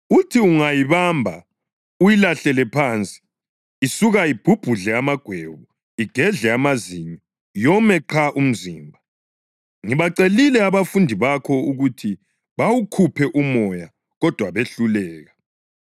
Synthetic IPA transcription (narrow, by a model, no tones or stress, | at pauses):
utʰiuŋajiβambʱa̰ | ujilaɬɛlɛpʰaːnt͡sʼi̥ː | suɣaib̥ʱub̥ʱuɮɛamaɡ̥ʱweβu | iɡ̥ʱɛɮɛamaziɲɔ | jɔmɛǃʰaʔum̩ziːmbʱa | ŋiβaǀelilɛaβafundʱiβakʰɔuɣutʰi | βawukʰupʰɛʔumɔja | ɣɔd̥ʱwaβeɬulɛːɣa